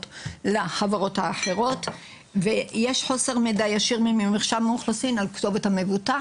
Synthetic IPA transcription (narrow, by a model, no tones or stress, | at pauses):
tlaχavaʁo̞thaːħe̞ʁo̞t | vejeʃħo̞se̞ʁmedajaʃiʁmimimiχʃalmuχlosinalkto̞vethamevuta